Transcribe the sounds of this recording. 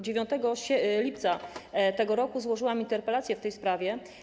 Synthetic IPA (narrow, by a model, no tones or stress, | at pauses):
d͡ʑevʲjɔ̃nt̪ɛɡɔɕɛlʲip̚t̪sat̪ɛɡɔɾɔkuzwɔʐɘwamint̪ɛɾpɛlat̪sjɛft̪ɛjspɾavʲjɛ